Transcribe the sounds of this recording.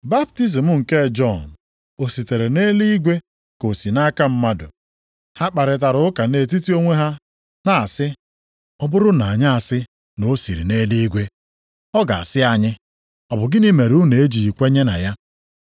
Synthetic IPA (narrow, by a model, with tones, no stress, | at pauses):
ba˦b̚ti˦s̬i˨m̩˦ŋ̩˨ke˦˨d͡ʒɔ˦˨n˨ | o˨si˨te˨ɾe˨ne˦li˦ɡʷe˦ | ko˨si˨na˦ka˦m̩˦ma˦dʊ̰˨ | ha˦k͡pa˨ɾɪ˨t̬a˨ɾʊ˦ʊ˦ka˨ne˨t̬i˦ti˦o˦ŋʷe˦ɦa˦ | na˨a˨sɪ˦ | ɔ˦bʊ˦ɾʊ˦na˨a˨ɲa˦a˨sɪ˦ | no˦si˨ɾḭ˨ne˦li˦i˦ɡʷe˦ | ɔ˦ɡa̰˨a˨sɪ˦a˨ɲɪ˦ | ɔ˨bʊ˨ɡɪ˦ni˦me˨ɾu˦ne˨e˦d͡ʒi˨i˨kʷe˦ɲe˦na̰˨ja˦